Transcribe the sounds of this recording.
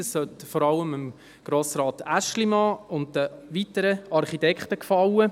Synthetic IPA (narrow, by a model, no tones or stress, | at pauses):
əssœtfɔɾɑləməm | ɡ̥ɾoːsɾɑːtæʃlimɑːʊnddəʋitəɾəɑɾχitɛkχtəkfɑwə